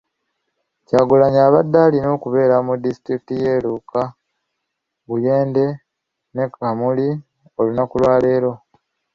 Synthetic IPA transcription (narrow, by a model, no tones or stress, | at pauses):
caːɡulaɲaːβadːalino̞ːkuβe̞ːɾamudisi̥tɾikitije̞ːluka | βuje̞ːnde̞ | ne̞kamuli | o̞lunakulwaːle̞ːɾo̞